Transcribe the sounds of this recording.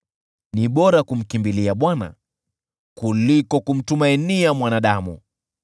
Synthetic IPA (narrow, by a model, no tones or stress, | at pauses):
niɓɔɾakum̩kimbiliaɓwana̰ | kulikɔkum̩tumainiamwanaɗamṵ